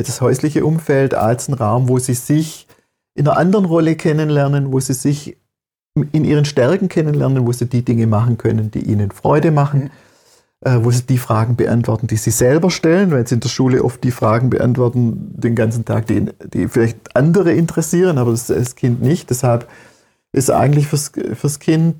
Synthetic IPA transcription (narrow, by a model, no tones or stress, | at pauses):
d̥ashɔʏslɪçəʔʊmfɛlta̰lsn̩ʁaʊmvoːziːzɪç | ʔɪnɐʔandɐʁənʁɔləkʰɛnənlɛɐnənvoːziːzɪç | ɪnʔiːʁ̞ənʃtɛɐkŋ̩kʰɛnənlɛɐnənvoːziːdiːdɪŋəmaχn̩kʰœ̰nənd̥ḭːʔḭːnənfʁ̥ɔ̰ʏdəmaχn̩ | ʔɛːvoːziːd̥iːfʁ̥aːɡŋ̩bəʔa̰ntv̥ɔɐtn̩d̥iːziːzɛlbɐʃtɛlənvaɪlsiɪndeːɐʃuːləʔɔft̚d̥iːfʁ̥aːɡŋ̩bə̰ʔa̰ntv̥ɔɐtn̩d̥eːnɡant͡sn̩tʰa̰ːk̚d̥ḭd̥ḭːfɪlaɪçtʔandəʁəʔɪntəʁɛsiːʁ̞ənaːbɐd̥asskʰɪntnɪçt̚d̥ɛshalp | ʔɪsʔa̰ɪɡŋ̩tlɪçfyɐsfyːɐskʰɪnt